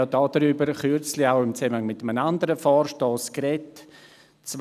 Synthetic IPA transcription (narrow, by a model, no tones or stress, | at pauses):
ɑdɑːd̥əɾybəɾχyɾt͡slɪaʊɪmt͡sɛməhaŋmɪtːəmənandəɾəfɔːɾʃtɔːskɾɛt | t͡s